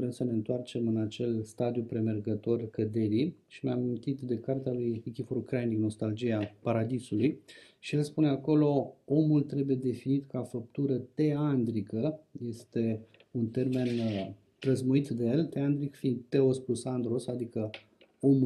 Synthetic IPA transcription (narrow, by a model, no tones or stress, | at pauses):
ɾe̞msəneɨnt̪oart͡ʃe̞mɨnat͡ʃe̞lst̪ad̪ijupɾe̞me̞rɡət̪o̞rkəd̪e̞ɾiʃineamint̪it̪d̪e̞kart̪ealujekʲifoɾkɾajnikno̞st̪ald͡ʒijapaɾad̪isuluj | ʃijelspuneako̞lo̞o̞mult̪ɾe̞buje̞d̪e̞finit̪kafəp̚t̪uɾət̪e̞and̪ɾikəje̞st̪e̞ | unt̪e̞rme̞n | pɾəzmuit̪d̪ejelt̪e̞and̪ɾikfind̪t̪e̞osplusand̪ɾo̞sad̪ikə | o̞mu